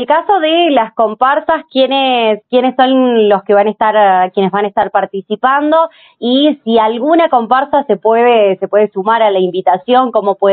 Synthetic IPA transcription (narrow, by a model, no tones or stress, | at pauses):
elkaso̞ðelasko̞mpaɾsaskjeneskjenesːo̞nlo̞skeβanaest̪aɾkje̞nezβanaest̪aɾpaɾt̪isipand̪o̞ | isialɣunako̞mpaɾsasepweðesepwe̞ðesumaɾalaimbit̪asjo̞ŋko̞mo̞pwe